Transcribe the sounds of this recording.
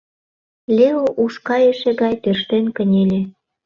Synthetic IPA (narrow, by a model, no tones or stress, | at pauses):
lʲeoʔuʃkɑjeʃĕɣɑjt̪ørʃt̪enkənʲelʲĕ